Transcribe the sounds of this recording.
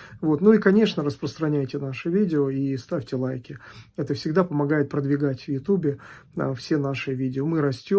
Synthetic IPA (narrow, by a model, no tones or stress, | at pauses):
vo̞t̪nuikɐnʲe̞ʂnəɾəspɾəst̪ɾɐnʲæjtʲɪnaʂɨvʲidʲɪoist̪afʲtʲɪlˠajkʲɪɛt̪əfsʲɪɡd̪apəmɐɡajɪt̪̚pɾəd̪vʲɪɡatʲvjʊt̪ubʲɪə̰fsʲe̞naʂɨvʲidʲɪomɨɾɐsʲtʲo